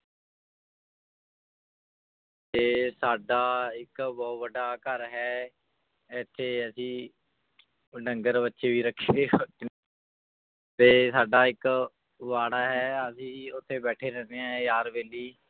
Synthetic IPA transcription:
t̪eːsaːɖaːɪkbɔːt̪ʋəɖaːkəɾɦɛː | ɛt̪ʰːeːəsĩː | ɖəŋɡəɾbətːʃeːʋiːɾəkʰːeː | t̪eːsaːɖaːɪk | ʋaːɽaːɦɛːəsĩːʊt̪ʰːeːbɛːʈʰeːɾɛːnẽːɛjaːɾʋeːliː

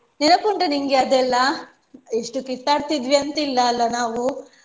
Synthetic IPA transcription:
nɛnɐkoɳɖeniŋɡeɐd̪ɛlːɐ | eʂʈukit̪ːaːɽt̪id̪ʋiɐnt̪ilːɐːlːɐnaːʋu

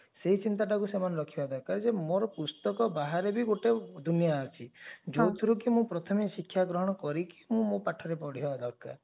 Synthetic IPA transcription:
seɦit͡ʃint̪aʈakusemanɾɔkʰibad̪ʱɔkad͡ʒemoɾɔpust̪ɔkɔbaɦaɾebiɡoʈed̪ʱunjat͡ʃʰid͡ʒot̪ʰɾuk̬imũpɾɔt̪ʰɔmisikʰːjaɡɾɔɦɔɽ̃ɔkɔɾiki̥mũmõpaʈʰɔɾepɔɽ̤ibad̪ʱɔkːa̰

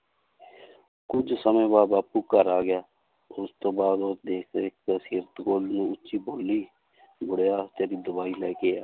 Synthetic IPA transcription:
kʊd͡ʒsəmẽːbaːd̪baːpuːkəɾaːɡɪjaː | ʊst̪oːbaːd̪od̪eːkʰd̪eːɪk̚d̪aːsiːɾət̪ɡoːlnũːʊtːʃiːboːlːiː | ɡʊɽjaːt̪eːɾiːd̪ʊbaːiːlɛːkeːaː

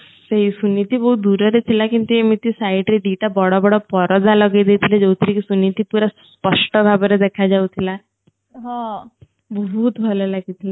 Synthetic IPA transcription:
seɦisunit̪ibɔɦut̪̚d̪uɾɔɾet̪ʰilakint̪uemit̪isaiʈɾeɖ̪iʈabɔɽɔbɔɽɔpɔɾɔd͡zalɔɡejd̪et̪ʰiled͡zɔwt̪ʰɾikisunit̪ipuɾasspəʂʈɔbʱabɔɾed̪ɛkʰad͡ʒawt̪ʰila | ɦɔ̃ | bɔɦut̪bʱɔlɔlaɡit̪ʰila

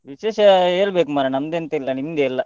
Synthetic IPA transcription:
ʋiʃeːʃɐeːlbeːkumaːɾɐnɐmd̪eːnt̪ɐilːɐnimd̪eːilːɐ

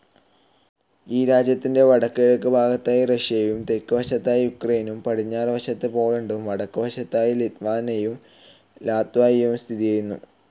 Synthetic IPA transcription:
iːɾaːd͡ʑjɐt̪ːinde̞ʋɐɽɐkːeɻɐkːɨbʱaːɡɐt̪ːaːjirɐɕjɐjumt̪e̞kːɨʋɐɕɐt̪ːaːjijukrejnumpɐɽiɲːaːrʋɐɕɐt̪ːɨpo̞ːɭuɳɖumʋɐɽɐkːɨʋɐɕɐt̪ːaːjilit̪ʋaːnɐjum | laːt̪ʋaːjjumst̪ʰiðijɐjunːṵ

